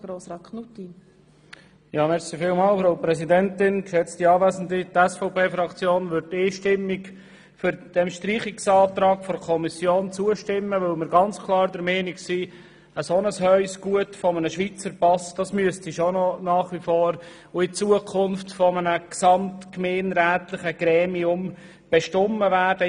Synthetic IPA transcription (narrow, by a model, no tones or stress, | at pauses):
ɡ̥ɾoːsɾɑːt̚kʰnuti | jɑːmɛɾsifɪːlmɑːlfɾoʊpɾɛsidɛntɪnkʃɛt͡stiɑːvæːzn̩dit̪ɛsfɔʊpʰeːfɾɑkt͡sjoːnʋʏɾtːeːʃtɪmːɪk | fʏɾd̥ɛmʃtɾiːχɪksɑːt̪ɾɑːɡfɔɾkʰɔmisjoːnt͡suəʃtɪmːəʋɵlmɪɾɡɑnt͡skʰlˠɑːɾdɛɾmɛːnɪksiː | əsonəshœɥsɡ̥uətfɔmənəʃʋit͡səɾpɑsd̥ɑsmyəstiʃonɔnɑːχʋifoːɾ | ʊɪt͡suəkʰʊnftfɔmənəksɑmtkmeːnɾæːtlɪχəɡ̥ɾɛːmiʊm | b̥eʃtɔmːəvæːɾd̥ə